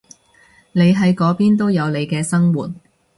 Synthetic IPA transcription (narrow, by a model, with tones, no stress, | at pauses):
ne˨˧jɦɐ˨˥jkɔː˨˥piː˥nt̪o˥wjɐ˨˧wnle˨˧jkɛː˧sɐ˥ŋwuː˨˩t̚